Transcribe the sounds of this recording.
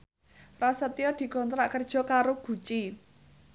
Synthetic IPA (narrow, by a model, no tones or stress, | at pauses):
fɾasət̪iɔd̪̥i̤kɔnt̪ɾaʔkərd̥ʒ̥ɔ̤kaɾoɡ̥ṳt͡ʃi